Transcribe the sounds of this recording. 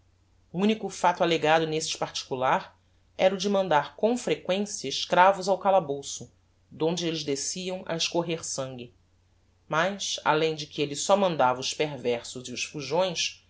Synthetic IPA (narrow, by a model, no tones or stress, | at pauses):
uũnikʊfat̪aleɡad̪ʊnest͡ʃɪ̥paɾt͡ʃi̥kulaɾ | ɛɾʊd͡ʒɪmɐ̃nd̪aɾkõw̃fɾekwẽsjɐɪʃkɾavʊzawkalabowsʊ | d̪õnd͡ʒɪelɪzd̪esiɐ̃w̃a̰eʃkoɦeɾsɐ̃ŋɡʲɪ | majʃa̰lẽj̃d͡ʒɪkɪelɪsɔmɐ̃nd̪avɐʊʃpeɾvɛɾsʊziʊʃfuʒõj̃s